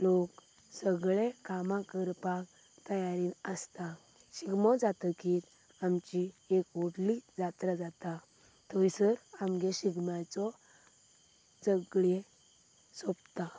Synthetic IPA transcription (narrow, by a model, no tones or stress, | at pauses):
lok | səɡɭekamãkəɾpak | t̪əjaɾinəst̪a | ɕiɡmɔd͡zat̪əkiːt̪ | amt͡ɕiekoɽlid͡zat̪ɾəd͡zat̪a | t̪ʰɔisəɾamɡeɕiɡmjat͡sɔ | d͡zəɡɭe | sɔbt̪a